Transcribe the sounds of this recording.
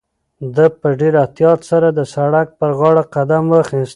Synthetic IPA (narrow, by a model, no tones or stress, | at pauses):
d̪əpəɖeɾaht̪jɑt̪saɾad̪əsaɽak̚pəɾɣɑɽaqad̪amwəxist̪